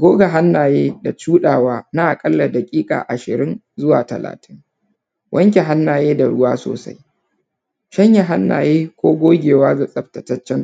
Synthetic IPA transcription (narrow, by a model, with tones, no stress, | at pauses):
ɡʷoː˦ɡa˨ɦa˦nːaː˨jeː˦da˨t͡ʃuː˦ɗaː˨waː˦na˦ʔa˨kʼɐ˦lːa˨da˨kʲʼiː˦kʼa̰ː˨ʔa˨ʃɪ˨ɾɪ˦n | zʊ˦wa̰ː˨tɐ̰˨la̰ː˨tʰɪ˦ŋ | wʔɐ˦ŋkʲe˨ɦa˦nːaː˨jeː˦da˨ɽʊ˦waː˦so̰ː˨sa̰˦j | ʃɐ˦ɲja˨ɦa˦nːa̰ː˨jeː˦kʷoː˦ɡʷoː˦ɡʲeː˨waː˦za˨sʼɐ˨btɐ˨tɐ˦t͡ʃːɛ˦n